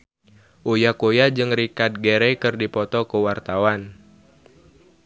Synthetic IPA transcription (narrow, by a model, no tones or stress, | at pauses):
ʔojakojad͡ʒɨŋrikad̪̚ɡeɾɛkɨrdipɔt̪ɔkəwart̪awan